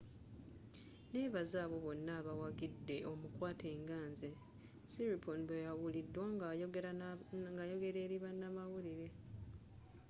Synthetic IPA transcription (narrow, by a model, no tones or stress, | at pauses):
ne̞ːβazaːβo̞βo̞nːaːβawaɡidːe̞o̞mukwaːtʰe̞ːŋɡaːnze | siɾiponbojawulidːwa | ŋɡajo̞ɡe̞ɾe̞ːɾiβanːamawuliɾe̞